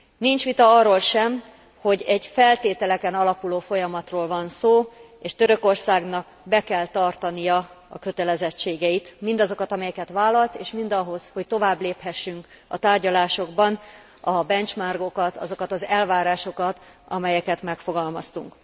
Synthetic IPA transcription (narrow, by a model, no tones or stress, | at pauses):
nint͡ʃʋit̪ɒɒrːoːlʃɛm | ho̞ɟɛɟfɛlt̪eːt̪ɛlɛkɛnɒlɒkuloːfo̞jɒmɒt̪roːlvɒnsoː | eːʃt̪øɾø̞ko̞rsaːɡnɒk | bɛkɛlt̪ɒrt̪ɒnijɒɒ̰kø̞t̪ɛlɛzɛt͡ʃːeːɡɛit̪mind̪ɒzo̞kɒt̪ɒmɛjɛkɛt̪vaːlːɒlt̪eːʃmind̪ɒɦo̞zho̞ct̪o̞vaːbleːphɛʃːyŋk | ɒt̪aːrɟɒlaːʃo̞ɡbɒn | ɒbɛnt͡ʃmarɡo̞kɒt̪ɒ̰zo̞kɒt̪ɒzɛlvaːɾaːʃo̞kɒt̪ɒ̰mɛjɛkɛt̪mɛkfo̞ɡɒlmɒst̪uŋk